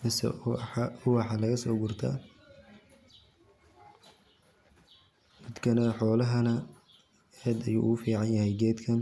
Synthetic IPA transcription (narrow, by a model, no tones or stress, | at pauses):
mɪsɛ̰ | ʊwɑħɑlɐɣɐsɔ̰ːɡʊrt̪ʰɐ̰ | mɪd̪kʰɐnɐħɔːlɐɦɐnɐ | ɛːd̪ɐjṵːʔʊʊfiːʕɑnjɐhɛjɡɛːd̪kʰɐn